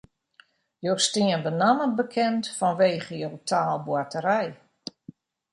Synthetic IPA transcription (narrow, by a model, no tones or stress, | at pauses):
jowstiənbənaməbəkʰɛntfɔnʋeːχəjowtʰaːlˠbwatəɾɛj